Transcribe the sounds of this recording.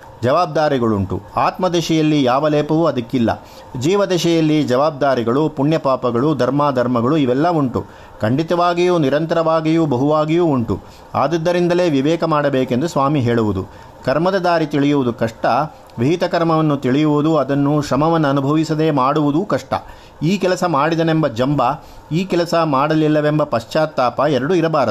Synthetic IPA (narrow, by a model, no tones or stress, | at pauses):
d͡ʒɐʋaːb̚d̪aːɾiɡɐɭuɳʈṵaːt̪mɐd̪ɛʃɛjɐlːijaːʋɐlɛːpɐʋuɐd̪ɐkːilːɐ̰ | d͡ʒiːʋɐd̪ɛʃɛjɐlːid͡ʒɐʋaːb̚d̪aːɾiɡɐɭupuɳjɐpaːpɐɡɐɭud̪ʱɐɾmaːd̪ʱɐɾmɐɡɐɭuiʋɛlːɐuɳʈṵ | kɐɳɖit̪ɐʋaːɡijuːniɾɐnt̪ɐɾɐʋaːɡijuːbɐɦuʋaːɡijuːɳʈṵ | a̰ːd̪id̪ːɐɾind̪ɐle̞ːʋiʋɛːkɐmaːɽɐbeːkend̪usʋaːmiɦe̞ːɭuʋud̪ṵ | kɐɾmɐd̪ɐd̪aːɾit̪iɭijuʋud̪ukɐʂʈɐ | ʋiɦit̪ɐkɐɾmɐʋɐnːut̪iɭijuʋud̪uɐd̪ɐnːuʃɾɐmɐʋɐnːuɐnubʱɐʋisɐd̪e̞ːmaːɽuʋud̪ukɐʂʈɐ̰ | iːkɛlɐsɐmaːɽid̪ɐne̞mbɐd͡ʒɐmbɐ | iːkɛlɐsɐmaːɽɐlilːɐʋe̞mbɐpɐʃt͡ʃaːt̪ːaːpɐɛɾɐɽuiɾɐbaːɾɐ